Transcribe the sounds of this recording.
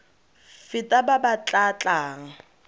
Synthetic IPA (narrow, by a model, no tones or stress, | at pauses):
fɪtʼababat͡ɬʼat͡ɬʼaːŋ̩